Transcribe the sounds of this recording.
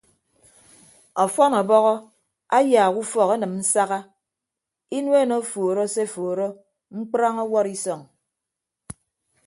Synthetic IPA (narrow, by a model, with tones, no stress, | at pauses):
ɔ˨fɔ˦nɔ˨bɔ˦ɣɔ˦ | a˦jaː˨ku˦fɔ˨ke˦nɨ˨mn̩˦sa˦ɣa˦ | i˦nwe˦˨no˦fo˨ɾo˦se˦foː˨ɾo˦ | ŋ͡m̩˦k͡pɾa˦ŋɔ˦wɔ˦ɾi˦sɔ˨ŋ